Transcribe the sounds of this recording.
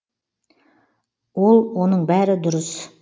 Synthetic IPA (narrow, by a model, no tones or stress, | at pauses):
wolˠwonəɴbæɾɪd̪ʊɾəs